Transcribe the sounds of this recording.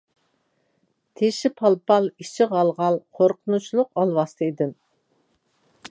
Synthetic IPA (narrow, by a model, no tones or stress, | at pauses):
t̪ʰeʃɪpʰɑlˠpʰɑlˠit͡ʃʰɪʁɑlˠʁɑlˠqʰoɾqʰənut͡ʃlˠʊqɑlˠwɑst̪ʰɨid̪ɨm